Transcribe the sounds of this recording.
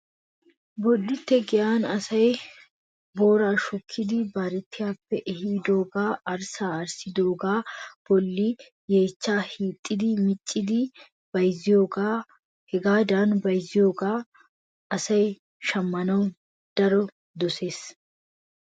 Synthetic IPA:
bɔdːɪt̪ːɛɡɪjaːnɐsɐj | bo̞ːɾaːʃɔkʰːɪd̪ɪbaːɾɛt̪ːɪjaːpːɛʔɛhiːd̪o̞ːɡaːʔɐɾsaːɐɾsɪd̪o̞ːɡaːb̥ɔlːɪ | je̞ːt͡ʃːaːhiːt̪ʼːɪd̪ɪmɪt͡ʃʼːɪd̪ɪ | b̥ɐjzɪjo̞ːɡaː | hɛɡaːd̪aːnbɐjzɪjo̞ːɡaː | ɐsɐj | ʃɐmːɐnɐw | d̪̥ɐɾɔ | d̪ɔse̞ːs

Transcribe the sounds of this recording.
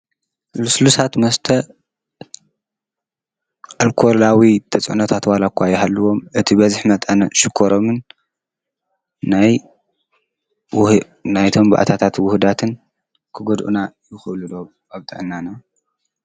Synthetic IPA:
luslusat̪mɐst̪ʰɐ | ʔalkʰolawit̪ʰɐt͡sʼʔṵnɐt̪ʰat̪walakʰʷːajːɪɦalːɨwo̞mʔɨt̪ʰibɐzɨħmɐt̪ʼɐnɐʃɪkʰːoɾo̞mɨn | aj | najt̪ʰo̞mba̰ʔa̰t̪ʰat̪ʰat̪wʊhd̪at̪ʰɨn | kʰɨɡod̪ʔṵnajɪxɨʔlud̪oβ | ʔaβt̪ʼɨ̰ʕɨnːana

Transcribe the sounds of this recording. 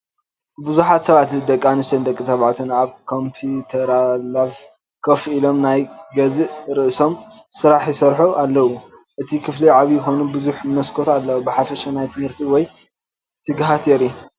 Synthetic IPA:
bɨzuħat̪sɐβat̪d̪ɐkʼːanɨst̪ʰɐnd̪ɐkʼːit̪ɐβʕat̪ʰɨnaβkʰo̞mpʰut̪ʰɐɾalav | kʰɐfʔilo̞mnajɡɐzɾɨʔso̞m | sɨɾaħjɪsɐɾħuʔalːɐwu | ʔɨt̪ʰikʰɨfliʕaβijɪxo̞nubɨzuħmɨmɐskʰo̞t̪alːɐwubɨħafɐʃɐnajt̪ʰɨmhɨɾt̪ʰiwɔj | t̪ʰɨɡɦat̪ʰɛɾu

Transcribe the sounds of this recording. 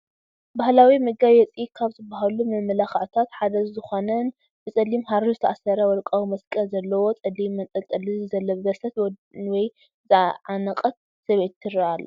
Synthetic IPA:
bahlawimɨɡajɛt͡sʼikʰaβzɨbːaɦalumɨmɐlaxʕt̪ʰat̪ħad̪ɐzzɨxo̞nɐn | bɨt͡sʼɐlːimhaɾuzɨt̪ʰaʔasɐɾɐwɔlkʼawimɐskʼɐzɐlːɐwo̞t͡sʼɐd̪imːɐt̪ʼɐt̪ʼɐlɨzzɐlːɐbɨbɐsɐt̪wwɔj | zɨʕanɐqʼɐt̪̚ | sɐβe̞t̪ːɨɾɐʔalːɐ

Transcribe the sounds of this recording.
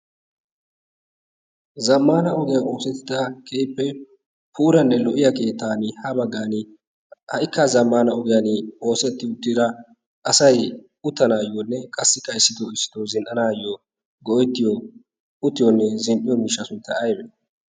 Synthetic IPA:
zɐmːaːnɐʔɔɡɪjao̞ːsɛt̪ːɪd̪ɐkʰeːpːɛ | puːɾɐnːɛlɔʔɪjɐke̞ːt̪ːaːnɪhɐbɐɡːaːnɪ | hɐʔɪkːazɐmːaːnɐɔɡɪjanɪo̞ːsɛt̪ːɪʊt̪ːɪd̪ɐ | ʔɐsɐj | ʊt̪ːɐnaːjɔnːɛkʼɐsːɪkʼɐjsːɪd̪ɔɪsːɪ̥d̪ɔzɪnʔɐnaːjɔ | ɡɔjt̪ːɪjɔ | ʊt̪ːɪjɔnːɛzɪmʔɪjɔmiːʃːɐsʊnt̪ːɐʔɐjbɛ

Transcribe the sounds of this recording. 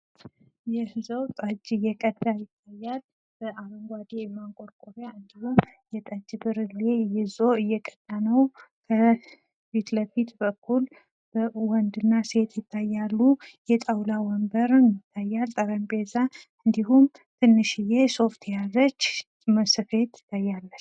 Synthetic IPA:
jɛhɨzəwt̪ʼəd͡ʒɨjɛkʼəd̪ʼajɪt̪ʰːajːal | b̥əʔaβəŋɡʷad̪emaŋkʼoɾkʼoɾjaɨnd̪ihumjɛt̪ʼəd͡ʒbɨɾɨlejɪzo̞ɨjːɛkʼə̥t̪ʼːanəwkʰə | fit̪ləfit̪bəkʰːul | b̥əwɔnd̪ɨnːase̞t̪jɪt̪ʰːajːalːujɛt̪ʼawlawɔmbəɾnjɪt̪ʰːajːalt̪ʼəɾəmbezaɨnd̪iɦum | t̪ʰɨnːɨʃɨjeso̞ft̪ʰjazət͡ʃː | məsɨfe̞t̪ɪ̥t̪ʰːajːalːət͡ʃː

